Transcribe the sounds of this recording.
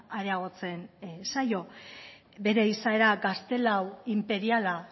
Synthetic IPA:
aɾe̞aɣ̞o̞t͡se̞nsajo̞ | be̞ɾe̞isae̞ɾaɡast̪e̞lawimpe̞ɾiala

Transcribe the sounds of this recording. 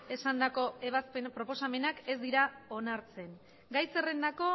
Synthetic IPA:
e̞sand̪ako̞e̞βaspenpɾo̞po̞same̞nake̞zd̪iɾao̞naɾt͡se̞n | ɡajse̞re̞nd̪ako̞

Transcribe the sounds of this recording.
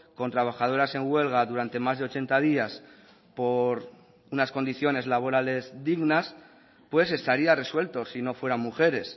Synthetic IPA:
ko̞nt̪ɾaβ̞axað̞o̞ɾase̞ŋɡwe̞lɣ̞aðuɾant̪e̞mazðe̞o̞t͡ʃe̞nt̪að̞ias | po̞ɾ | unasko̞nd̪iθjo̞ne̞zlaβo̞ɾale̞zd̪iɣnas | pwe̞se̞st̪aɾiare̞swe̞lt̪o̞sino̞fwe̞ɾammuxe̞ɾe̞s

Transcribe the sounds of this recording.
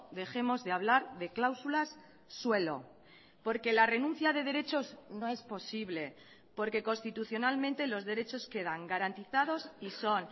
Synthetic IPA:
ðe̞xe̞mo̞zðe̞aβ̞laɾðe̞klawsulasː | we̞lo̞̰ | po̞ɾke̞lare̞nũnθjaðe̞ð̞e̞ɾe̞t͡ʃo̞zno̞e̞spo̞siβle̞ | po̞ɾke̞ko̞nst̪it̪uθjo̞nalmẽ̞nt̪e̞lo̞zðe̞ɾe̞t͡ʃo̞ske̞ð̞aŋɡaɾant̪iθað̞o̞siso̞n

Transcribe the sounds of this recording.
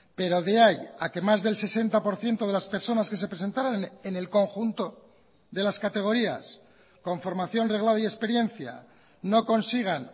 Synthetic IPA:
pe̞ɾo̞ðe̞ajake̞mazðe̞lse̞se̞nt̪apo̞ɾθje̞nt̪o̞ð̞e̞laspe̞ɾso̞naske̞s̬e̞pɾe̞se̞nt̪aɾanene̞lko̞ŋxunt̪o̞ | ðe̞laskat̪e̞ɣ̞o̞ɾia̰s | ko̞ɱfo̞ɾmaθjo̞nre̞ɣlaðoie̞spe̞ɾje̞nθja̰ | no̞ko̞nsiɣ̞an

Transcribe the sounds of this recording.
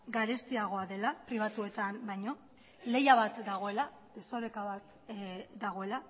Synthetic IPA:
ɡaɾest̪iaɣ̞o̞aðe̞lapɾiβ̞at̪ue̞t̪ambajɲo̞ | le̞jaβ̞at̪d̪aɣ̞o̞e̞la | d̪e̞so̞ɾekaβat̪ | d̪aɣ̞o̞e̞la

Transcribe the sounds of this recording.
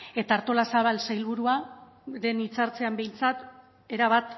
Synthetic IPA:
e̞t̪aːɾt̪o̞lasaβ̞alsajlβuɾua | ðe̞nit͡saɾt͡se̞ambe̞jnt͡sat̪ | e̞ɾaβ̞at̪

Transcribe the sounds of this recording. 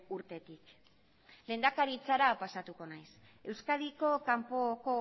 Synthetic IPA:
uɾt̪e̞t̪ik | le̞ːnd̪akaɾit͡saɾapasat̪uko̞najs | e̞wskaðiko̞kampo̞ko̞

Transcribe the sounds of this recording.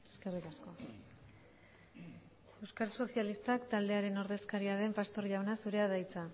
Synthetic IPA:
eske̞rikasko̞ | e̞wskaɾso̞sialist̪akt̪ald̪eaɾe̞no̞ɾðe̞skaɾiaðe̞mpast̪o̞ɾʎawnasuɾe̞að̞ajt͡sa

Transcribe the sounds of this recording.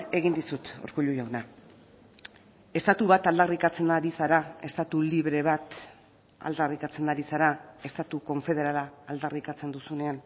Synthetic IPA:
e̞ɣind̪isut̪o̰ɾkuʎuʝawna | e̞st̪at̪uβat̪ald̪arikat͡se̞nd̪aɾisaɾae̞st̪at̪uliβɾe̞β̞at̪ | a̰ld̪arikat͡se̞nd̪aɾisaɾae̞st̪at̪uko̞ɱfe̞ð̞e̞ɾalaːld̪arikat͡se̞nd̪usune̞an

